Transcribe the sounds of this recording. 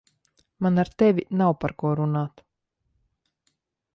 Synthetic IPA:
manaɾt̪ɛvʲinawpaɾkuɔɾunaːt̪

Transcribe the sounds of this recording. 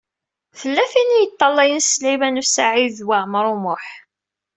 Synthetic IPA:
θəlːæfinijət̪ˤːɑlːæjənslimænusaʕiðwaʕmɾˤumʊħ

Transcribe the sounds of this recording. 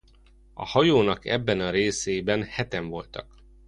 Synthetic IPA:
ɒ̰hɒjoːnɒkɛ̰bːɛnɒɾeːseːbɛnhɛt̪ɛɱvo̞lt̪ɒ̰k

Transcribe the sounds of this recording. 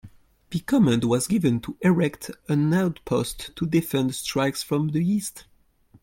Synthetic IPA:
ðɨkʰɔmɛ̃ndwʌzɡɪvɨ̃ntʰuʔɪɹɛktə̃naʊtpʰostʰːudɪfɛ̃ndstɹ̥aɪksfɹɔ̃mðiist

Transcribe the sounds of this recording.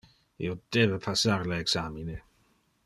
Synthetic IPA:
ḭod̪̥ebepʰasaɾleeksamine

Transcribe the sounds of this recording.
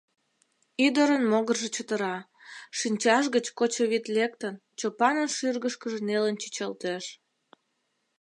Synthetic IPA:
yd̪əɾənmoɣərʒet͡ɕət̪əɾɑ | ʃinʲt͡ɕɑʃɣət͡ɕkot͡ɕoβit̪lek̚t̪ənt͡ɕopɑnənʃyrɣəʃkəʒenelənt͡ɕi̥t͡ɕəlt̪eʃ

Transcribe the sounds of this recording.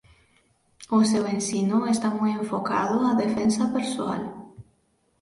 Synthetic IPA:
ʊsewensinʊest̪amujẽɱfoka̰ðʊaðefensapeɾsoa̰l

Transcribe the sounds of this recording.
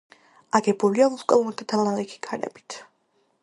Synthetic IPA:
aɡɛbuliauskʼɔlˠumat̪ʰad̪ʰalalɛkʰi̥kʰaɾɛ̰bi̥t̪ʰ

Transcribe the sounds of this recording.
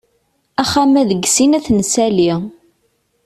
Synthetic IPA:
æχæmæðəɡsinæθnəsæli

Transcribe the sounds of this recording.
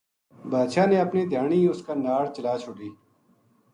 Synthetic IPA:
baːd̪ʃaːneːɐpneːd̪ʱjaːɳiːʊskaːnaːɽt͡ʃəlaːt͡ʃʰʊɖiː

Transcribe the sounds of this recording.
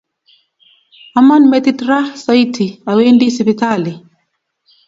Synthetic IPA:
amanmɛt̪itɾahsaitʰiawendisipitali

